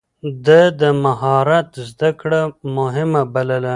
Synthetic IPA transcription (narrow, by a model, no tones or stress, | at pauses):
d̪əd̪əmahɑɾat̪zd̪akɽamʊɦɪmabaləla